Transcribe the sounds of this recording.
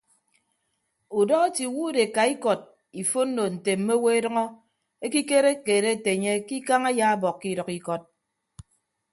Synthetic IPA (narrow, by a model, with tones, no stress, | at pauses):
u˨dɔ˦ɣe˦ti˨wu˦de˨ka˨i˦kɔ˨t̚ | i˨fo˦n̩˦no˨n̩˨te˨m̩˦me˦we˦e˦dʌ˦ŋɔ˦ | e˦ki˦ke˦ɾe˦ke˨ɾe˦˨te˨ɲe˦ki˦ka˦ŋa˦ja˦a˦bɔ˨kːi˦ɾɔ˨ki˦kɔ˦t̚